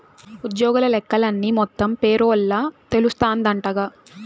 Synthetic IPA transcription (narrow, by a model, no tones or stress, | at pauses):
ud̪jɔːɡulɐlɛkːɐlɐnːimɔt̪ːɐmpeːɾoːlːaːt̪e̞lust̪aːnd̪ɐɳʈɐɡaː